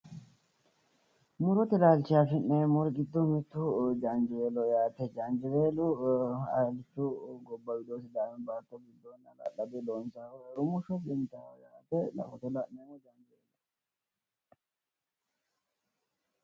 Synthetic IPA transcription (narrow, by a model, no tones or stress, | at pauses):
mʊɾɔt̪ɪlaːlt͡ʃːɪjaːfɪneːmɔɾɡɪd̪ːɔmɛt̪ːʊd͡ʒɐnd͡ʒeːlɔjaːt̪ɛd͡ʒɐnd͡ʒɪβeːlʊɐ̰lɪt͡ʃːʊɡɔbːɐwɪd̪oːsɪd̪aːwɛnbaːt̪ːɔɡɪd̪ːonɐlɐ̰lɐbɛloːnsaɾʊmʊʃɔd͡ʒɛnt̪ɐwɔjaːt̪ɛlɐ̰fɔt̪ɔlɐneːmɔd͡ʒɐnd͡ʒɪeːlːɔ